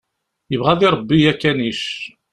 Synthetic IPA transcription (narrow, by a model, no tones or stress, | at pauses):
jəvʁæðiɾˤəbːijækːæniʃ